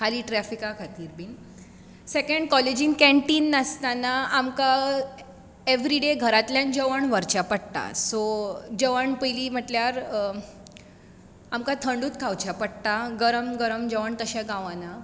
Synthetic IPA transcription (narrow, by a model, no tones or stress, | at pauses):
kʰaliːʈɾɛfikakʰat̪iːɾbiːn | sekəɳɖkɔled͡ʑinkɛ̃ɳʈiːnːəst̪anaamka | eʋɾiɖeɡʱəɾat̪ljãnd͡ʑəʋəɳʋəɾt͡ɕapəɽt̪a̰sod͡ʑəʋəɳpəjliːm̤əʈljaɾ | amkat̪ʰəɳɖuːt̪kʰawt͡ɕapəɽt̪aɡəɾəmɡəɾəmd͡ʑəʋəɳt̪əɕaɡãʋãna